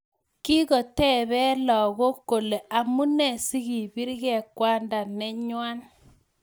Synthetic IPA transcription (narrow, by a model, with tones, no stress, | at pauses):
ki˦ko˨tɛ˦bɛ˦lɔ˨ɣo˦kːo˨le˨ʔa˨mu˦nɛ˨si˦ɡi˨bi˦ɾɡɛ˨kwa˦nda˨nɛ˦ɲwa˦n